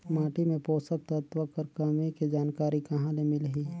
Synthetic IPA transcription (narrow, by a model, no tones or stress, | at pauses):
maːʈimẽpoːsək̚t̪ət̪ʋəkɐɾkɐmiked͡ʒaːnkaːɾikɐɦãlemɪlɦiː